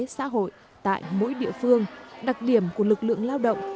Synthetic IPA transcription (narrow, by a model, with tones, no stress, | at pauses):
sa̰ː˧˥ɦo̰˧˨j | t̪a̰ː˧˨jmo̰˧˥jɗḭ˧˨əfɨ˧əŋɗa˨˩k̚ɗi˧˩əmku˧˩əlɨ˨˩k̚lɨ̰˧˨əŋlaː˧wɗə̰˧˨wŋ͡m